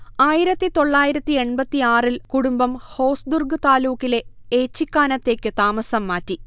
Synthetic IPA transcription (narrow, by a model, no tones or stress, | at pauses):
aːjiɾɐt̪ːit̪o̞ɭːaːjiɾɐt̪ːie̞ɳpɐt̪ːiaːrilkuɽumbɐmho̞ːsd̪urɡɨt̪aːluːkːile̞eːt͡ɕːikːaːnɐt̪ːe̞ːkːɨt̪aːmɐsɐmːaːtːi